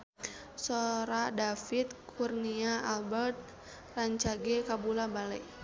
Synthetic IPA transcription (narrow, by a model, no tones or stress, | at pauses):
sɔɾadafit̪̚kʰurniaalbɛrt̪̚ | raɲt͡ʃaɡɛkabulabalɛ